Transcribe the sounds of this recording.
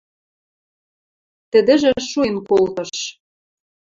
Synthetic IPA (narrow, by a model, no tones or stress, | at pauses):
t̪ə̆d̪ɘ̆ʒĕʃuenkolt̪ɤ̆ʃ